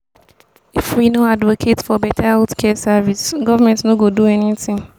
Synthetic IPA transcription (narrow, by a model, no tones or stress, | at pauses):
ifwinoadvokʰetfɔbɛtʰaaʊtkʰɛsavisɡɔvamɛ̃ntnoɡoduɛnitɪ̃ŋ